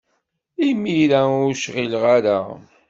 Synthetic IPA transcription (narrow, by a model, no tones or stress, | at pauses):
imiɾæʊɾʃʁilʁaɾa